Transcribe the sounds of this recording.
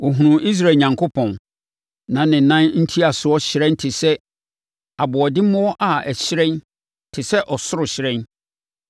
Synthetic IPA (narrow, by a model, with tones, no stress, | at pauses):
wɔ˨ɦũ˨nũ˨ʔi˦s̬ɾa˦˨ɲã˨ŋkʰo˦pʰɔ̃˨n | nã˨nɪ̃˨nã˦nn̩˦tʰi˦a˨sʊ˨˦ɔ˦ɕɪ˨ɾɛ̃˦n˦tʰɪ˨sɛ˦ | a˨bʊ˨ɔ˨dɪ˦mʊ̃˦wɔ˦ʔa˨ɛ˨ɕɪ˦ɾɛ̃˦n | tʰɪ˨sɛ˦ʔɔ˨sʊ˦ɾʊ˨ɕɪ˨ɾɛ̃˦n